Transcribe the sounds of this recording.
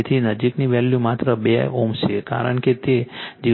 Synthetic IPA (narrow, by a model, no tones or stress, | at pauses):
t̪ʰinəd͡ʒikniʋɛljũmat̪ɾəbeomʃʰeka̰ɾə̰ɳket̪ed͡ʒi